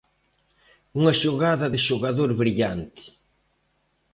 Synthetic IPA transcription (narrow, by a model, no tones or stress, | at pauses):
uŋɐʃoɣaðɐðɪʃoɣaðoɾβɾiʎant̪ɪ̥